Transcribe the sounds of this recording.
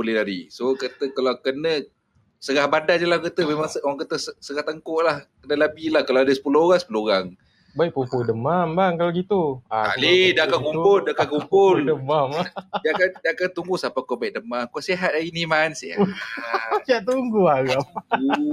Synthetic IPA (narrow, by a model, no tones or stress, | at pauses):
bolɛhdadisokət̪əkalawkənə | səɣahbadad͡ʒəlakət̪əmemaŋoɣaŋkət̪əsəsəɣaht̪əŋkɔʔlahkənəlabilahkalawadəsə̥pulooɣaŋsə̥puloɣaŋ | baiʔ̚pumpudəmambaŋkalaɡit̪uaa̰lidaakankumpʊldaakankumpʊldəmamadakandakant̪uŋɡusapakobaik̚dəmakoʔseɦat̪̚ainimansḛaaiaʔt̪uŋɡuaɣamu